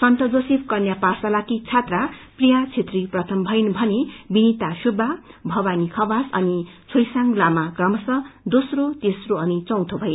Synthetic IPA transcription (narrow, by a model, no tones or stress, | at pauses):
sʌnt̪ʌd͡zosip̚kʌnjapasalakit͡sʰat̪raprijat͡sʰet̪riprʌt̪ʰʌmbʱʌjnbʱʌnebinit̪asubʱːabʱʌbanikʰʌbasʌ̰nit͡sʰojsaŋɡlamakrʌmʌsʌd̪osrot̪esroʌnit͡sʌ̃w̃t̪ʰobʱʌje